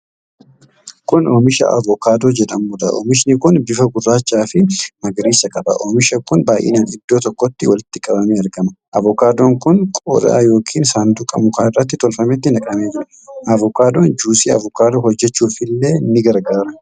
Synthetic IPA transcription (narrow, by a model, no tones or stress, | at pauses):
kʊno̞ːmɪʃɐ̰ʔɐ̰vɔkaːd̪o̞ːd͡ʒɛᶑɐmuːd̪ɐ̰ʔo̰ːmɪʃnɪkʊnbɪfɐɡʊrːaːt͡ʃːaːfɪmɐɡɾiːsɐkʼɐbɐ̰ʔoːmɪʃɐkʊnbaːjʔḛːnaːnɪd̪ːo̞ːt̪ɔkːɔt̪ːɪwɐlɪt̪ːɪkʼɐbɐmeːɐɾɡɐmɐʔɐvɔkaːd̪oːŋkʊnkʼɔ̰ɾa̰ːjo̞ːkʰiːnsaːnd̪uːkʼɐ̰mʊkaːɪrːɐt̪̬ːɪt̪ɔlfɐmɛt̪̬ːɪnɐkʼɐme̞ːd͡ʒɪɾɐ | ʔɐvɔkaːd̪oːnd͡ʒuːsiːɐ̰vʊkaːd̪oːhɔd͡ʒːɛt͡ʃːuːfɪlːe̞ːnːɪɡɐɾɡaːɾɐ